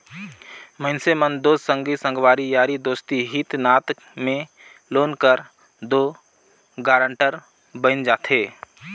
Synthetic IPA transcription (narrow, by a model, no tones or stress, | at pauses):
məɪnsemənd̪oːsə̃ŋɡisə̃ŋɡʋaːɾijaːɾid̪oːst̪iɦit̪naːt̪ | mẽ | loːnkəɾ | d̪oː | ɡaːɾə̃ɳʈəɾ | bə̃nd͡ʒaːt̪ʰɦeː